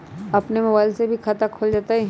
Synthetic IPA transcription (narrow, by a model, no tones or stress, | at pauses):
ɐpnemɐbaːɪlsebʱikʰaːt̪akʰoːld͡ʒaːt̪aɦɛ